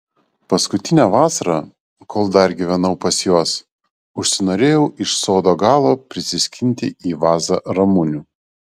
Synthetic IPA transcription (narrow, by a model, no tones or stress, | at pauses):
pɐskʊt̪ʲɪnʲæʋɑːsɐɾɑː | kʰoːlˠd̪ɐɾɡʲiʋʲɛnɐʊpɐsjuɔs | ʊʃʲsʲɪnoːɾʲeːjɛʊʔɪʃsoːd̪oːɡɑːlˠoːpʲɾʲɪsʲɪsʲkʲɪnʲt̪ʲɪiːʋɑːzɐɾɐmʊnʲuː